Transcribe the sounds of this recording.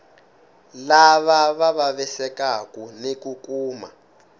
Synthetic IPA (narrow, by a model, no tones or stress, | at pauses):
laβaβaβaβɛsɛkakunekukuːma̰